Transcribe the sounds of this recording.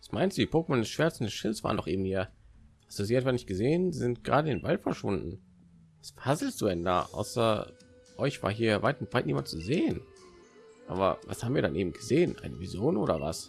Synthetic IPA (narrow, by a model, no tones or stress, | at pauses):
vasmaɪnstd̥uːdiːpʰoːkəmɔndɛsʃv̥ɛɐt͡sn̩dɛsʃɪlsv̥a̰ːʁəndɔχʔɪːbm̩hiːɐʔaz̥uziːɛtv̥anɪçt̚ɡ̥əzeːənzɪnt̚ɡ̥ʁaːdədɪnvaltfɛɐʃv̥ʊndn̩ | v̥asfhazl̩sz̥uːdɛnda̰ːʔa̰ʊsɐ | ʔɔʏçv̥a̰ːɐɦiːɐvaɪtv̥aɪtniːmant͡suzeːən | ʔa̰ːbɐ̰va̰shaːbm̩viːɐdanʔeːbm̩ɡ̥əzeːənʔa̰ɪnəvizoːdnʔoːɾɐ̰va̰s